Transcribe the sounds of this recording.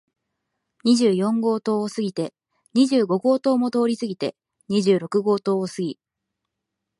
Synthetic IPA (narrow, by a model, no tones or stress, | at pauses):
ɲ̟iʑɨːjõ̞ŋɡo̞ːt̪o̞ːsɨɡʲit̪e̞ | ɲ̟iʑɨːɡo̞ɡo̞ːt̪o̞ːmo̞t̪o̞ːɾʲisɨɡʲit̪e̞̰ | ɲ̟iʑɨːɾo̞kɯ̟ɡo̞ːt̪o̞ːsɨɡʲi